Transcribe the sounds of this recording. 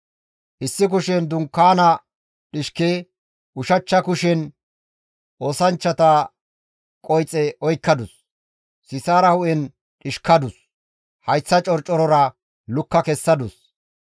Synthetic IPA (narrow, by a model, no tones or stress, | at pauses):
ʔɪsːɪk̬ʊʃɛnd̪ʊŋkːaːnɐ | ɗɪʃke | ʔʊʃɐt͡ʃːɐkʊʃɛn | ʔoːsɐnt͡ʃːɐt̪ɐ | kʼɔjt͡sʼːɛʔɔjkːɐd̪ʊsː | ɪsaːɾɐhʊʔɛn | ɗɪʃkɐd̪ʊs | hɐjsːɐt͡ʃʼɔɾt͡ʃʼːɔɾɔɾɐ | lʊkːɐkɛsːɐd̪ʊs